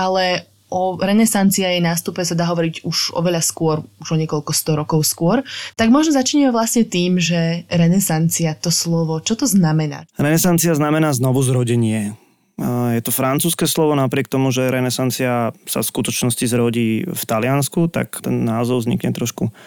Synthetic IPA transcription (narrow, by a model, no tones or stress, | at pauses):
alɛ | ʔɔɾɛnɛsant͡siajɛnaːst̪upɛsad̪aːɦɔʋɔɾiɟuʒɔ̰ʋɛʎaskʊɔɾuʒɔɲɪɛkɔʎkɔst̪ɔɾɔkɔʊskʊɔɾt̪aɡmɔʒnɔzat͡ʃiːɲɛmɛʋlasɲɛt̪iːmʒɛɾɛnɛsant͡siat̪ɔslɔʋɔt͡ʃɔt̪ɔznamɛna̰ːɾɛnɛsant͡siaznamɛnaːznɔʋuzɾɔɟɛɲɪɛ | jɛt̪ɔfɾant͡suːskɛːslɔʋɔnapɾɪɛk̚t̪ɔmuʒɛɾɛnɛsant͡siasa̰fskut̪ɔt͡ʃnɔscizɾɔɟiːft̪alɪanskut̪a̰kt̪ɛnːaːzɔʊvzɲḭkɲɛt̪ɾɔʃku